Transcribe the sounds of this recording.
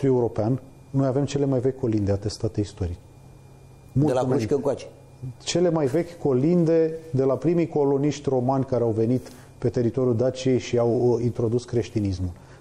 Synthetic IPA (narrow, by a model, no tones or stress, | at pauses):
t̪uje̞uɾo̞pean | no̞jave̞mt͡ʃe̞le̞majvekʲko̞lind̪eat̪e̞st̪at̪eist̪o̞ɾit͡ʃ | mulelakeuʃkəkat͡ʃe̥ | t͡ʃe̞le̞majve̞kʲko̞lind̪e̞d̪e̞lapɾimijko̞lo̞niʃt̪ʲro̞manʲkaɾeawve̞nit̪ | pe̞t̪e̞ɾit̪o̞ɾjud̪at͡ʃije̞jʃiawint̪ɾo̞d̪uskɾe̞ʃt̪inismul